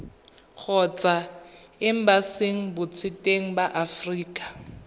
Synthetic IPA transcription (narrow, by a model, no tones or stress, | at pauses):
k͡xʰɔt͡sʼa | ɪm̩baseŋ̩bʊt͡sʰɪtʼeŋ̩baʔafriːkʼḁ